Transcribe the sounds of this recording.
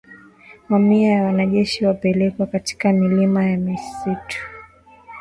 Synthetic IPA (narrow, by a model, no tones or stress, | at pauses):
mamiajawanaʄɛʃiwapɛlɛkwakati̥kamilimajamisitu̥